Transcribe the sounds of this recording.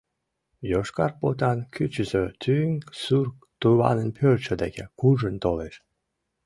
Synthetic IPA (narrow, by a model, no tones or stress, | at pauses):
joʃkɑrpot̪ɑnkʲyt͡ɕəzøt̪ʰyŋsurk | t̪uβɑ̰nənpʰørt͡ɕəd̪ekʲḛkuʒənt̪oleʃ